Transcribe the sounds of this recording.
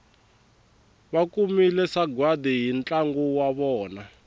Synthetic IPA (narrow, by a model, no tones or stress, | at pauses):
βakumilɛsaɡwadiɦint͡ɬaŋɡuwaβɔːna